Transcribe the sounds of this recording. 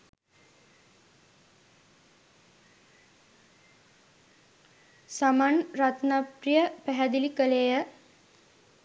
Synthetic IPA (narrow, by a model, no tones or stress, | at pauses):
samanrat̪naprijəpæɦæd̪ilikəlejə